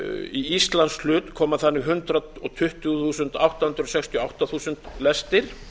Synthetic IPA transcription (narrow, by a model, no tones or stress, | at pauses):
iist̪lanslʏːt̪kʰɔːmaθanːɪɣɦʏnt̪ɾaɔt̪ʰʏht̪ʏɣθuːsʏnt̪awht̪ahʏnt̪ɾɔsɛkst̪jɔawht̪aθuːsʏnt̪lɛst̪ɪɾ̥